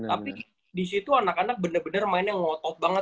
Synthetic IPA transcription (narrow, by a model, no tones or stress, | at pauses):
t̪api | disit̪uanakanak̚bənərbənərmaɪnjaŋːɔt̪ɔt̚baŋə